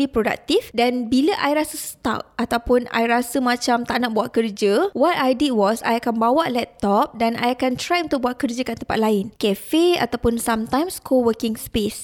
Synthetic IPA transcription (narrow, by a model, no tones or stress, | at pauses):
lipɾoda̰k̚t̪ifdanbiləʔajɾasəsə̥t̪a̰p̚at̪awpʊna̰jɾasəmãt͡ʃamt̪aʔnaʔ̚buwaʔkərd͡ʒəwɔt̪ajdit̚wɔsa̰jakanbawaʔlɛp̚t̪ɔp̚dana̰jakant̪ɾajunt̪ʊk̚buaʔ̪̚kərd͡ʒəkant̪əmpa̰t̪̚laɪnkɛfea̰t̪awpʊnsamt̪ãjmskʰowəkɪŋspes